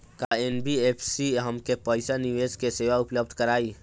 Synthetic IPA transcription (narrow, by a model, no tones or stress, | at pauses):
kaenbiepʰsiɦəmkepəɪsaniʋed͡ʒkeseːʋaʊpləbd̪ʱkəɾaːi